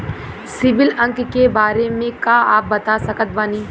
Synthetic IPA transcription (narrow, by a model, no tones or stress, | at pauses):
sɪʋɪlɐ̃ŋkkebaːɾemẽkaːaːp̚bɐt̪asɐkət̪̚baːniː